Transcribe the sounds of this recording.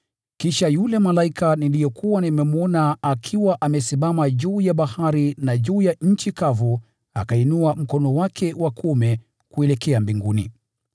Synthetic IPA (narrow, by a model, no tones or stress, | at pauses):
kiʃajulɛmalaikanilijɔkʰuwanimɛmuɔnaakʰiwaʔamɛsimamaʄuːjaɓahaɾinaʄuːjaɲ̩t͡ʃikavɔ | a̰kainuam̩kɔnɔwakʰɛwakʰumɛ | kuɛlɛkɛambiŋɡunḭ